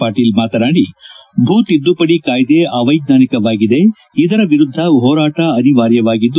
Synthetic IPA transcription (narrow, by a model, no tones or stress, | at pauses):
aːɾʈiːlmaːt̪ɐɾaːɽibʱuːt̪id̪ːupɐɽikaːjd̪eʔaːʋɐjɡ̚naːnikɐʋaːɡid̪e̞ | id̪ɐɾɐʋiɾud̪ʱːɐɦɔːɾaːʈɐɐniʋaːɾjɐʋaːɡid̪ː